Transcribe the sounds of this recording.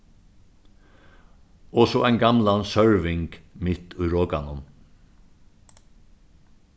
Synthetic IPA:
ɔsɔʔæɪnɡɑmlansœɹʋɪŋkmɪt̪ʉːɾoːkanʊn

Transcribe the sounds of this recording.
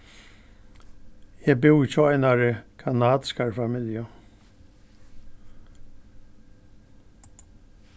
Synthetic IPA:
jɛbɪwt͡ʃɔajnaɾəkʰanaːd̪ɪ̥skaɹfamɪlja

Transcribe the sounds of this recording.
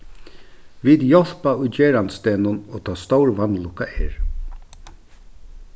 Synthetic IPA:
viːd̪jɔl̥paʊjd͡ʒeːɾanst̪ɛːnʊnoːt̪ʰɔːst̪ɔwɹvanːlʊkːaɛːɹ

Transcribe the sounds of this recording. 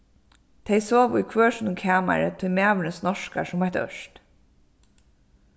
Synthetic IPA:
t̪ʰɛjsoːʋʊ̰jkʰvøːʂnʊŋkʰaːma̰ɾɪt̪ʰʊjmæːʋʏnəsnɔʂka̰sʊmvat̪œ̰ʃt̪

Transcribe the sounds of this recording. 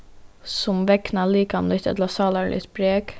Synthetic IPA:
sʊmʋɛknaliːkamlʏt̪ɛ̰t̪ləsɑːlalʔɪ̰t̪bɾeːk

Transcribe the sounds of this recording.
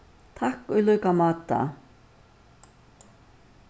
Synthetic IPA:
t̪ʰahkœjlœɥkamaːt̪a̰

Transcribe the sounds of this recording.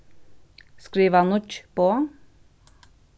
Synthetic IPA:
skɾiːʋənʊt͡ʃpoː

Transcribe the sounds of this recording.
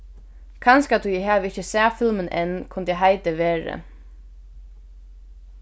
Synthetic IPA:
kʰanskat̪ʰujɛɦæʋɪhçəsæːfɪlmənʔɛ̰nːkʰʊnd̪əjɛɦajt̪əʋeːɹə̰

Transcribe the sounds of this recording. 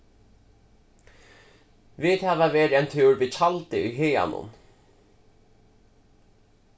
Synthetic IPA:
viːðhɛːvaveːɾɛnt̪ʰɪwɾvit͡ʃʰalt̪ɪʊjɦeːja̰nʊ̰n

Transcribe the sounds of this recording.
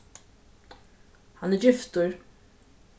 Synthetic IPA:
hanɪd͡ʒɪft̪ʊɹ

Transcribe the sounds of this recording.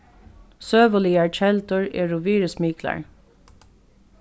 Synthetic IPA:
søːʋəliːaɹt͡ʃɛlt̪ʊɹḛːɹʊʋiːɹəsmiːkla̰ɹ

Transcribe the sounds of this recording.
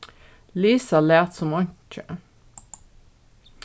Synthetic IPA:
liːsɑleːt̪sɔmɑɲt͡ʃə

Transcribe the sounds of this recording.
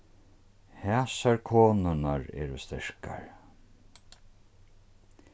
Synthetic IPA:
hɛːsaɹkʰoːnʊnaɹɛ̰ːɾʊst̪ɛɹka̰ɹ

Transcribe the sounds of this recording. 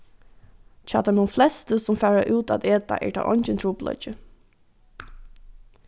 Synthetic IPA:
t͡ʃaːt̪ʰanuːnflɛst̪əsʊmfæːɹaʔʉːt̪ad̪eːt̪a̰ʔɛ̰ɹt̪ʰa̰ːʔɔnt͡ʃɪnt̪ʰɾuːplɔ̰t͡ʃə

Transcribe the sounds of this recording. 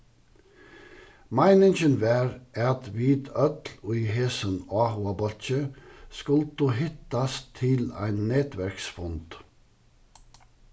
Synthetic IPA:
mæɪnɪŋçənʋæːɾʔɑt̪ʰʋiːt̪ʰœt̪lʉɦeːsənɑːhʊɑbɔlt͡ʃəskʊlt̪uːɦɪt̪ɑst̪ʰɪlæ̰ɪnnɛt̪ʋæɾksfɔnt̪

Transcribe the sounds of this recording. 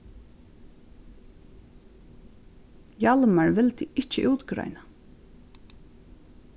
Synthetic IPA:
jalmaɹvɪlt̪ʰɪɪht͡ʃɪʔuːt̪ɡɾa̰jna

